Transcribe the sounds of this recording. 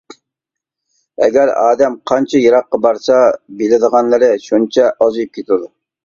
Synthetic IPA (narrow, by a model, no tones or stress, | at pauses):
ɛɡʲæɾɑːd̪ɛmqʰɑnt͡ʃʰɑjɑɾɑqːɑbɑɾsɑbelɪd̪əʁɑnlˠɨɾɨʃunt͡ʃʰɛʔɑzɨjp̚kʲʰet̪ud̪u